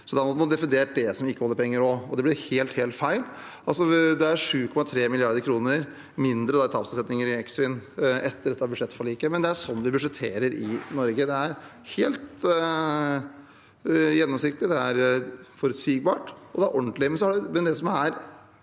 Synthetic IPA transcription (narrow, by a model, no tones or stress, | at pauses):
sɔd̪ɛɑnɔd̪mɔd̪ɛfɪnd̪eːʈ̚d̪ɛsɔmɪkːəhɔlːəpʰɛŋːəɾɔɔd̪ɛblɪɾheːlt̪heːlt̪fæɪl | ɑlsɔd̪ɛæɾʂʉːkʰɔmɑt̪ʰɾeːmɪlɪɑɾd̪əɾkʰɾuːnəɾ | mɪnd̪ɾəd̪ɑɛt̪ʰɑpsɑsɛt̪nɪŋəɾɪɛksfɪnɛt̪ːəɾɖɛt̪ːɑbʉd̪ʂɛt̪ːfɔɭiːkəmɛnd̪ɛæʂɔnːʋɪbʉʂɛt̪ʰːeːɾəɾɪnɔɾɡəd̪ɛæɾ | heːlt̪ | jɛnːɔmsɪk̚t̪lɪd̪ɛæɾfɔɾʉt̪siːɡ̚bɑːʈɔd̪ɛæɾʔɔɳt̪lɪəmɛns̬ɔhɑɖɛmɛnd̪ɛsɔmæɾ